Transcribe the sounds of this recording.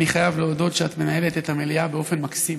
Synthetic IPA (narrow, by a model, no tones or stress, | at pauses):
niχajavleodo̞tʃeat̪me̞nae̞letethameliabeo̞fe̞nmaksim